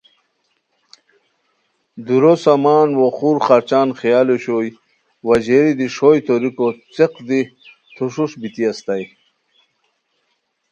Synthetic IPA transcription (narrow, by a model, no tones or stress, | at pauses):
d̪uɾosamaːnwoχuɾχaɾt͡ɕaːnχijaːloɕoj | wɐd͡ʑeɾid̪iʂojt̪oɾikot͡seqd̪i | t̪ʰuʂuʂbit̪iast̪aj